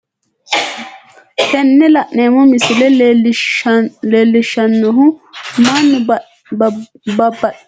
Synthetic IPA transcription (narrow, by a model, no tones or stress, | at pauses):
t̪ɛnːɛlɐʔneːmɔmɪsɪlɛ | leːlːɪʃːɐnːɔɦʊmanːʊ | bɐbːɐ